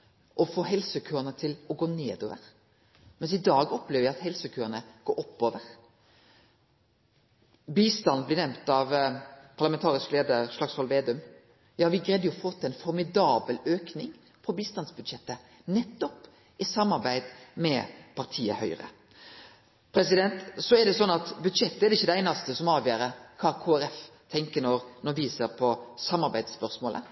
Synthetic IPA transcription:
ʔɔfoːhɦɛlsəkʰøːɾənət̪ʰɪlɔɡoːneːd̪oːʋəɾ | mɛnsɪd̪ɑːɡɔpleːʋəʋæɪɑt̪hɛlsəkʰøːənəɡ̥oːɾʔɔpːoːʋəɾ | biːst̪ɑnblɪnɛmt̪ɑʋpʰɑʁlɑmɛnt̪ʰɑːɾɪskleːd̪əɾʂlɑksɔlʋeːd̪ʉm | jɑːʋɪɡɾɛd̪jʊfɔt̪ːɛnfɔɾmɪd̪ɑːbəløːknɪŋ | pʰɔbiːst̪ɑnsbʉd̪ʃɛt̪ːə | nɛt̪ːɔp | ɪsɑmːɑɾbæɪd̪mɛ̰pʰɑɾt̪ʰiːə̰hœʏɾə̰ | pʰɾɛsɪd̪ɛnt̪sɔɛd̪ɛsɔnːɑt̪bʉd̪ʃɛt̪ːəɛɾd̪ɛɪçːəd̪ɛæɪnɑst̪əsɔmɑːʋjøːɾəkʰɑkʰoːæɾɛft̪ʰɛŋkənɔɾnɔʋiːsəɾpʰɔsɑmːɑɾbæɪd̪spœɾsmoːlʔə̰

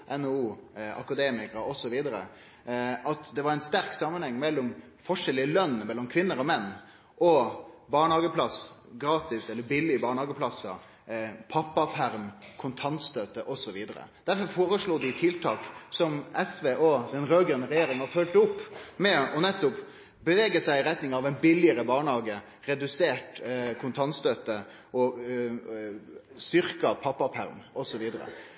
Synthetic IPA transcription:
ʔɛnouːʔɑ̰kɑd̪eːmɪkɑɾɔsɔʋiːd̪əɾə̰ | ʔɑt̪d̪ɛʋɑɾæɛnst̪æɾksɑmːənhɛŋːmɛlːɔm | fɔʂɛlːɪəlœnːmɛlːɔmkʰʋɪnːəɾɔmɛnː | ʔɔbɑːɳhɑːɡəpʰlɑsɡɾɑːt̪ɪsɛlːəɾbɪlːɪbɑːɳhɑːɡəpʰlɑsːɑ̰ | pʰɑpːɑfæɾmkʰʊnt̪ʰɑnt̪st̪øːt̪əʔɔsɔʋiːd̪əɾə̰d̪̥æɾfɔɾfoːɾəʂɭuːd̪ɪt̪ʰɪlt̪ʰɑːksɔmɛsʋeʔoːd̪ɛnɾøːɡənəɾɛjeːɾɪŋəɑfœlt̪əʊpːmɛɔnɛt̪ːʊp | bəʋeːɡəsæɪɪɾɛt̪nɪŋɑʋæɪnbɪlːɪəɾəbɑːɳhɑːɡə | ɾɛd̪ʉseːʈkʰʊnt̪ʰɑnt̪st̪øːt̪ə | ʔɔ | st̪ʏɾkɑpʰɑpːɑfʰæ̰ɾmʔɔsɔʋiːd̪əɾə̰

